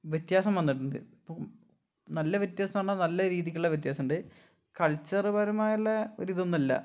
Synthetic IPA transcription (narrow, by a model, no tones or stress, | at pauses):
ʋjet̪jaːsɐmʋɐnːiʈːunɖɨ̰po | nɐlːɐʋjet̪jaːsɐmaːɳɐnɐlːɐɾiːðikʲːiɭːeʋjet̪̬jaːsɐmɳɖɨ | kɐɭt͡ɕːɐrɨbɐɾɐmaːjɐɭːeo̰ɾiðonːɐlːɐ̰